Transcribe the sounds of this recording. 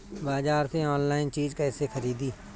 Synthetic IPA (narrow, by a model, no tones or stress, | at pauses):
baːzaːɾseɔːnlaːɪnt͡ʃiːzkɛːsexʰəɾiːd̪iː